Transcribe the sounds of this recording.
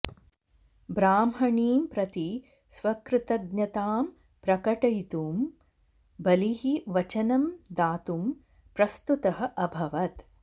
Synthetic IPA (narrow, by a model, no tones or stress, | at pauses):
bɾaːmɦɐɳiːmpɾɐt̪i | sʋɐkɾɪt̪ɐɡɲɐt̪aːm | pɾɐkɐʈɐjt̪uːm | bɐliɦiʋɐt͡ʃɐnɐmd̪aːt̪um | pɾɐst̪ut̪ɐɦɐ̆ʔɐbʱɐʋɐt̪